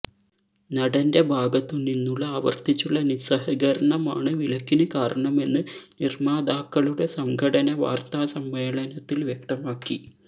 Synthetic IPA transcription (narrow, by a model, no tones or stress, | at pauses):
nɐɽɐnde̞bʱaːɡɐt̪ːuninːuɭːɐɐʋɐ̰rt̪it͡ɕːuɭːɐnisɐhɐɡɐɾɐɳɐma̰ːɳɨʋilɐkːinɨkaːɾɐɳɐme̞nːɨnirmaːd̪aːkːɐɭuɽe̞sɐŋkʰɐɽɐnɐʋa̰ːrt̪aːsɐmʋeːɭɐnɐt̪ːilʋjek̚t̪ɐmaːkːi